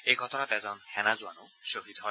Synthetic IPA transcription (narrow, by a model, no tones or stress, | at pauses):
ejɡʱɔt̪ɔnat̪ɛzɔnhɛnazuano | ʃoɦid̪ɦɔ